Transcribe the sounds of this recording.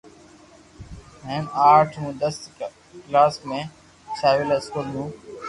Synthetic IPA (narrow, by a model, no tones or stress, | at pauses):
ɦẽːnaːɾʈʰɦũd̪əs | klaːsmẽː | saːʋɪlɐskoːlnũː